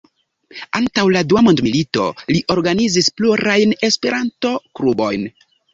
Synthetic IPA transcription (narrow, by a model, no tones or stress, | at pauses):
antawladuamondmilito̞̰liʔo̞ɾɡanizispluɾajne̞spe̞ɾʔanto̞klubo̞̰jn